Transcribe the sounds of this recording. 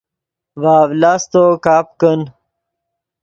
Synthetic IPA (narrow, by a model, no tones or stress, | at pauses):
vaːvlaːst̪okaːpkən